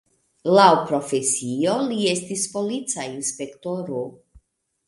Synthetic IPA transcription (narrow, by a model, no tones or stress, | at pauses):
lawpɾo̞fesio̞lie̞stispo̞lit͡sainspe̞kto̞ɾo